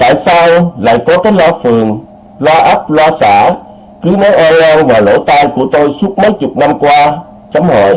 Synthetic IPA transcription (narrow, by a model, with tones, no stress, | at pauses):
t̪a̰ː˧˨jsaː˧wla̰ː˧˨jkɔ˨˦k̪aː˨˦jlaː˧˩fɨ˨˩əŋ | lwaː˧ʔa˦˥t̚lwaː˧sa̰ː˧˩ | kɨ˨˦nɔ˨˦jʔɔ˧nʔa˧wvaː˨˩lo̰˧˥t̪aː˧jku˧˩ət̪o˧jsu˦˥ət̚mə˨˦jt͡ɕʊ˨˩k͡p̚na˧mkwaː˧ | t͡ɕa˨˦mhɔ̰˧˩j